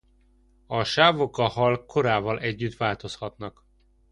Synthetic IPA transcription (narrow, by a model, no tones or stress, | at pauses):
ɒʃaːvo̞kɒhɒlkʰo̞ɾaːvɒlʔɛɟːyt̪vaːlt̪o̞shɒt̪nɒk